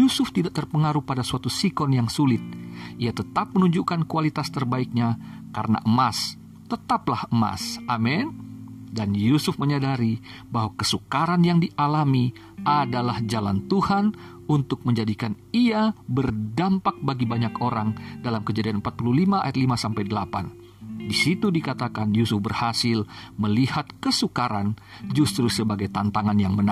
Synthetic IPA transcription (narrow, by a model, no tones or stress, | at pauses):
jusʊft̪idaʔ̚t̪ərpəŋaɾupadasuat̪usikɔnjaŋsulɪt̪̚ʔiat̪ət̪ap̚mənuɲd͡ʒukankualit̪ast̪ərbaik̚ɲaka̰ɾəna̰ʔəmas | t̪ət̪aplahəma̰sʔamɛndanjusʊfməɲadaɾi | bahwakəsukaɾanjaŋdiʔalami | ʔadalahd͡ʒala̰nt̪uhan | unt̪ʊk̚məɲd͡ʒadikan | iabərdampak̚baɡibaɲakoɾaŋdalamkəd͡ʒadianmpat̪̚pululimaa̰jat̪limasampajdəlapa̰n | disit̪udikat̪akanjusʊfbərhasɪlməlihat̪̚kəsukaɾan | d͡ʒust̪ɾusəbaɡajt̪ant̪aŋanjaŋmən